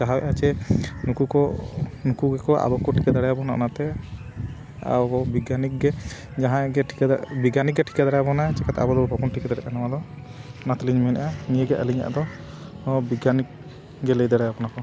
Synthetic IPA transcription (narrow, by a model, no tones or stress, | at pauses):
d͡ʒaɦawɛ̰ʔat͡ʃɛnukukɔnukuɡɛkɔʔa̰bɔkɔʈʰi̥kad̪aɽajabɔnaʔnat̪ɛ | a̰ɔɔbiɡanik̚ɡɛd͡ʒaɦãɡɛʈʰi̥kad̪biɡanik̚ɡɛʈʰi̥kad̪aɽaabɔnaɛt͡ʃɛkat̪a̰bɔd̪ɔbʱɔbɔnʈʰikad̪aɾɛʔanawad̪ɔ | nat̪ɛliɲmɛnaʔanijeɡɛʔəliɲa̰ʔd̪ɔ | biɡanik̚ | ɡɛlejd̪aɽɛjapɔnakɔ